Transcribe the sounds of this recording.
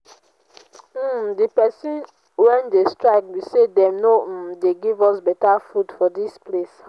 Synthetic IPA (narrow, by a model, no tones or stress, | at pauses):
dipɛsĩn | wɛ̃ndestɹaɪk̚bisedɛ̃mnom̩deɡivɔsbɛtafudfɔdisples